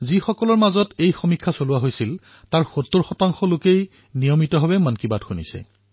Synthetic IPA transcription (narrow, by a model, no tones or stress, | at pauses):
zixɔkɔlɔɹmazɔtejxomikʰːasoluwaɦojsil | taɹxotːoɹxɔtaŋxɔlokej | nijɔmitɔɦabɛmankibadxunḭsɛ̰